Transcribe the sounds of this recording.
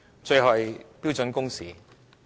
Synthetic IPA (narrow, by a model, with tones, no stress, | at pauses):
t͡ʃɵ˧jɦɔː˨jpiː˥wt͡sɵ˨˥nkʊ˥ŋsiː˨